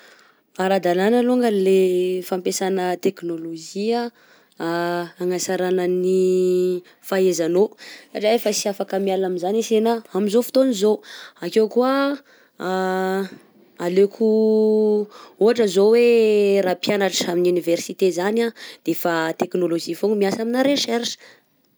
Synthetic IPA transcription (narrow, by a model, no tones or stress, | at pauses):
aɾad̪alanəloŋɡalefampesanət̪eknoloʒia | aŋasaɾanəni | faezanosaʈ͡ʂiefəsiafakəmialaminzanisenaamizofi̥t̪onizoakewkua | alekʰu | uɦaʈ͡ʂəzowerapjanaʈ͡ʂaminuniversit̪ezanad̪̥efat̪eknoloʒifoŋmiasaminaɾeʃɛrʂə̥